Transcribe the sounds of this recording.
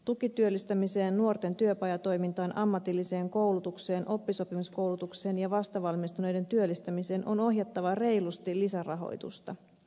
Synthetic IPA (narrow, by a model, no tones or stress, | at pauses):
t̪ukit̪yølːist̪æmise̞ːnːuo̞rt̪e̞nt̪yøpɑjɑt̪o̞jmint̪ɑːnʔɑmːɑt̪ilːise̞ːŋko̞wlut̪ukse̞ːnʔo̞pːiso̞pimusko̞wlut̪ukse̞ːnjɑʋɑst̪ɑʋɑlmist̪une̞jde̞nt̪yølːist̪æmise̞ːnʔo̞no̞ɦjɑt̪ːɑʋɑre̞jlust̪ilisærɑɦo̞̰jt̪ṵst̪ɑ